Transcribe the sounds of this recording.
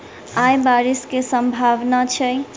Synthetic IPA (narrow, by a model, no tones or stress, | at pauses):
ajbaɾiskesəmbʱaʋnat͡ʃʰəj